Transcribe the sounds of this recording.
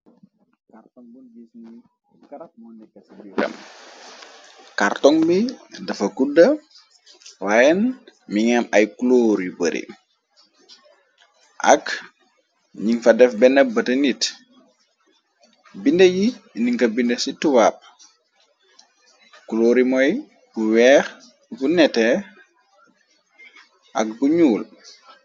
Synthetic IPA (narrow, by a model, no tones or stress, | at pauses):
kartŋ | niɾɐ̰m | kaɾtɔŋbidɐfɐkudɐ | wajɛnmiŋɛmɐjkuloːɾibəɾḭ | ʔɐ̰k | ɲiŋfɐdɛfbɛnɛbɐtɐnit | bindejiniŋkɐbindesitːuwaːp̚ | kuloːɾimɔj | buwɛːɾ | bunɛtɛ | ʔɐ̰k̚buɲuːl